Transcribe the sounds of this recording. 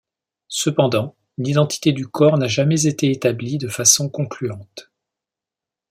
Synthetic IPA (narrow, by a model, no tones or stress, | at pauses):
səpɑ̃d̪ɑ̃ | nid̪ɑ̃t̪ʰi̥t̪ed̪ykʰɔʁnaʒamɛzet̪eet̪ablid̪əfasɔ̃kɔ̃klyɑ̃t̪